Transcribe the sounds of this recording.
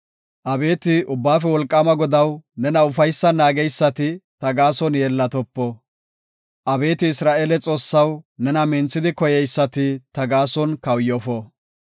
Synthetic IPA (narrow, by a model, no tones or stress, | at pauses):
ʔɐbe̞ːt̪ɪʔʊbːaːfɛwɔlkʼːɐmɐɡɔd̪ɐwnɛnɐʊfɐjsːɐnaːɡɛjsːɐt̪ɪt̪ɐɡaːsɔnjeːlːɐt̪ɔpːɔ | ʔɐbe̞ːt̪ɪːsɾaːʔeːlɛt͡sʼo̞ːsːɐwnɛnɐmɛnt͡sːɪd̪ɪkɔjɛjsːɐt̪ɪt̪ɐɡaːsɔnkɐwjɔfɔ